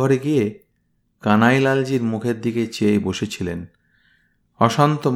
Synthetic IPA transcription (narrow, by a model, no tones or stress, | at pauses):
ɔɾeɡie | kanajlald͡ʑiɾmukʰeɾd̪iket͡ɕejboʃet͡ɕʰilen | ɔʃant̪om